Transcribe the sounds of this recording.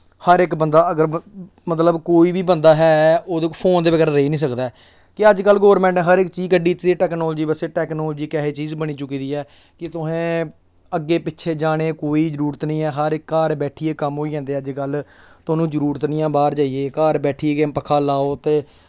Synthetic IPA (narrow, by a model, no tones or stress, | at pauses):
həɾɪkbənd̪aːəɡəɾ | mət̪ləbkoːiːbiːbənd̪aːɦɛːoːd̪okpʰoːnd̪eːʋəɡɛːɾaːɾəiːnĩːs̬əkd̪aːɛ | kɪəd͡ʒkəlɡoːʋəɾmɛ̃ːɳʈːɦəɾɪkt͡ʃiːd͡ʒkəɖiːt̪ːiːʈɛːknɔːld͡ʒiːbəseːʈɛːknɔːlːd͡ʒiːkɛːɦeːt͡ʃiːzbəɽ̃iːt͡ʃʊkiːd̪iːɛː | kɪt̪ʊɦẽː | əɡːeːpɪtːt͡ʃʰeːd͡ʒaːɽ̃eːkoːiːd͡ʒəɾuːɾət̪nĩːɛːɦəɾɪkːaːɾbɛːʈʰiːeːkəmɦoːid͡ʒãːnd̪eːəd͡ʒkəlt̪ʊaːnũːd͡ʒəɾuːɾt̪nɪjãːbaːɾd͡ʒaːijeːkaːɾbɛːʈʰiːeɡepəkʰaːlaːoːt̪eː